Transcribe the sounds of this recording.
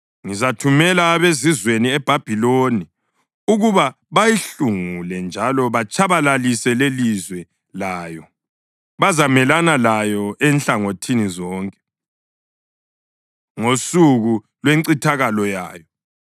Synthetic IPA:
ŋizatʰumɛlaːβezizweniɛb̥ʱab̥ʱiloni | uɣuβa | βajiɬuŋulɛnd͡ʒʱalɔβat͡ʃʰʼaβalalisɛlelizwɛ | laːjɔ | βazamɛlanalajɔɛnɬaŋotʰinizɔːŋkʼɛ̥ | ŋosuɣu | lweŋǀitʰaɣalɔja̰ːjɔ

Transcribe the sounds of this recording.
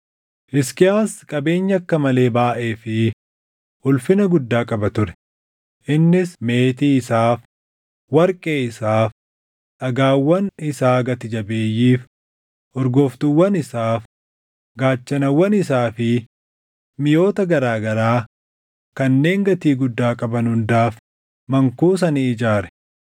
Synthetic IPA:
ʔɪskɪaːskʼɐbe̞ːɲːɐɐkːɐmɐle̞ːbaːʔe̞ːfɪ | ʊlfɪnɐɡʊd̪ːaːkʼɐbɐt̪ʊɾɛ̥ | ʔɪnːɪsme̞ːt̪iːɪsaːf | wɐɾkʼe̞ːɪsaːf | ʔɐɡaːwːɐnɪsaːɡɐt̪ɪd͡ʒɐbe̞ːjːiːf | ʔɔɾɡoːft̪ʊwːɐnɪsaːf | ɡaːt͡ʃːɐnɐwːɐnɪsaːfɪ | mɪjo̞ːt̪ɐɡɐɾaːɡɐɾaː | kɐnːe̞ːŋɡɐt̪iːɡʊd̪ːaːkʼɐbɐnhʊnd̪aːf | mɐŋkuːs̬ɐniːɪd͡ʒaːɾɛ̥

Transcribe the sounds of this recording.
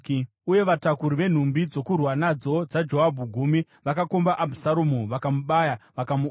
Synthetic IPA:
uje̞ʋatakuɾiʋe̞n̤umbid͡zo̞kurwanad͡zo̞d͡zad͡ʒo̞ɦabʱuɡʱumi | ʋakako̞mbaʔabʱusaɾumuʋakamuɓajaʋakamu

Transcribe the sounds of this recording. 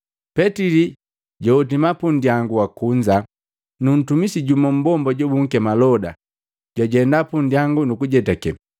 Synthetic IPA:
pɛtili | ɟɔutimapundijaŋɡuwakuɲd͡ʒa | nun̩tumisiɟumɔm̩bɔmbɔɟɔbuŋ̩kɛmalɔda | ɟ̥waɟɛndapundijaŋɡunukuɟɛtakɛ

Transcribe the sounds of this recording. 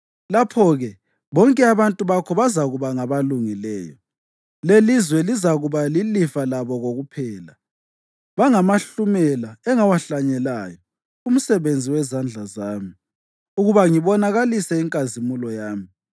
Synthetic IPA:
lapʰɔɣɛ | βɔŋkʼɛaβantʼuβakʰɔβazaɣuβaŋaβaluŋilɛːjɔ | lelizwɛlizaɣuβalilifalaβɔɣoɣupʰɛːla | βaŋamaɬumɛlaɛŋawaɬaɲɛlaːjɔ | um̩sɛβend͡zʱiwɛzand͡ɮʱazaːmi | uɣuβaŋiβɔnaɣalisɛiŋkʼazimulɔjaːmi

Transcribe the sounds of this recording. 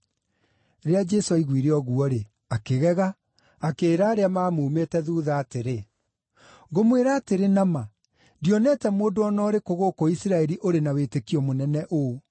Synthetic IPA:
ɾead͡ʒɛsoaiɣwiɾeɔɣuɔɾe | akeɣɛɣaː | keːɾaːɾeamaːmumetɛðuːðaːteɾe | ɡomweɾaːteɾenama | diɔnɛtɛmoːdoɔnɔɾekoɣokoisiɾaɛɾiʔoɾenawetekiɔmonɛnɛʔo

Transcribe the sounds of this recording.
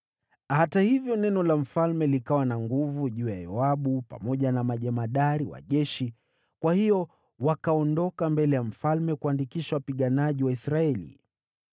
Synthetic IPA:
hatahivjɔnɛnɔlam̩falmɛlikawanaŋɡuvuʄuːja̰jɔaɓupa̰mɔʄanamaʄɛmaɗaɾiwa̰ʄɛʃi | kwahijɔ | wakaɔndɔkambɛlɛjam̩falmɛkuandikiʃawapiɠanaʄiwaisɾaɛlḭ

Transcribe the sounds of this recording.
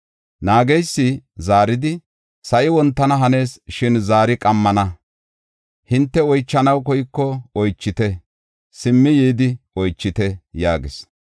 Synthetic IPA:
naːɡɛjsːɪzaːɾɪd̪ɪ | sɐʔɪwɔnt̪ːɐnɐɦɐne̞ːsʃɪnzaːɾɪkʼɐmːɐnɐ | hɪnt̪ːɛɔjt͡ʃːɐnɐwkɔjkːɔɔjt͡ʃːɪt̪ɛ | sɪmːɪjiːd̪ɪɔjt͡ʃːɪt̪ɛjaːɡɪs

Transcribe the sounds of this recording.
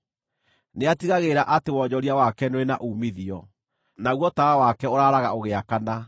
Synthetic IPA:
neatiɣaɣeɾaʔatewɔɲd͡ʑɔɾiawakɛnoɾenaʔuːmiðiɔ | naɣwɔtaawakɛoɾaːɾaɣa̰oɣeakana

